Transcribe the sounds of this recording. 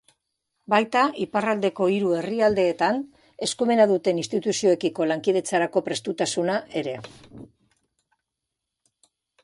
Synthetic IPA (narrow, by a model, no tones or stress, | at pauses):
bajt̪aʔiparald̪e̞ko̞iɾue̞riald̪e̞ːt̪an | e̞skume̞naðut̪e̞ninst̪it̪usio̞e̞kiko̞laŋkið̞e̞t͡saɾako̞pɾe̞st̪ut̪asunaʔe̞ɾe̞